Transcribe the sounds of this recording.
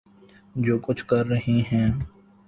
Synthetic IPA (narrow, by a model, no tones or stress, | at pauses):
d͡ʒoːkʊt͡ʃʰkɐɾːəɦeɦɛ̃ː